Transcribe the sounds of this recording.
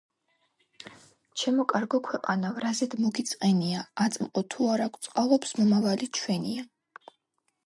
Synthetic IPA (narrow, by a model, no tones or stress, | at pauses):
t͡ʃʰɛmɔkʼaɾɡɔkʰwɛqʼanavɾazɛd̪mɔɡit̪sʼqʼɛniaːt̪sʼmqʼɔt̪ʰuaɾakʷʰt̪sʼqʼalˠɔpsmɔmavalit͡ʃʰwɛnia